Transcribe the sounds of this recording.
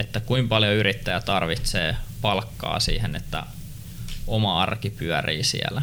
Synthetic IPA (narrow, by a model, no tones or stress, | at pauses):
et̪ːækuimpɑljoyrit̪ːæjæt̪ɑrʋit̪seːpɑlkːɑ̰ːsḭːhenet̪ːæ̰ | omɑɑrkipyæriːsḭæ̰læ